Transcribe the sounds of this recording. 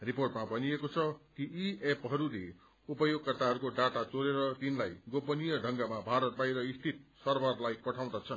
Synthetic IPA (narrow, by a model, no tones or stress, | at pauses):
riporʈmabʱʌnijekot͡sʰʌkiiepɦʌɾule | upʌjoɡ̚kʌrt̪aɦʌɾukoɖaʈat͡soɾeɾʌt̪inlajɡopʌnijʌɖʱʌŋɡamabʱaɾʌt̪̚bajɾʌist̪ʰit̪̚sʌrbʱʌrlajpʌʈʰaw̃d̪at͡sʰʌn